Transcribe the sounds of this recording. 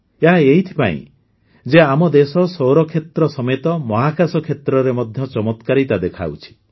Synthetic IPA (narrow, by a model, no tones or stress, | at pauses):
eɦaeɦit̪ʰi̥pa̰ḭ̃ | d͡ʒeamɔd̪esɔsowɾɔkʰet̪ɾɔsɔmet̪ɔmɔɦakasɔkʰet̪ɾɔɾemɔd̪ʱjɔt͡ʃɔmɔt̪kaɾit̪ad̪ekʰa̰wt͡ʃʰi̥